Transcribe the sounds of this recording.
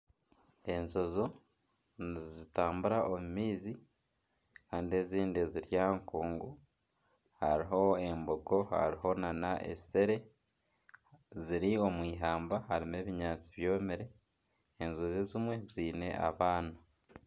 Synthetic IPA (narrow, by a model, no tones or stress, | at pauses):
e̞nzo̞zo̞ | nzitaːmbuɾaʔomumiːzi | kaːndie̞ziːndeziɾjaːŋkuːŋɡu | ha̰ɾiɦo̞e̞mboɡo̞ha̰ɾiɦo̞nanaʔe̞̰se̞ɾe̞ | ziɾio̞mwiːɦaːmbahaɾime̞ːβiɲaːt͡si̥βjo̞ːmiɾeː | nzozezimwe̞ziːne̞̰ʔa̰βaːna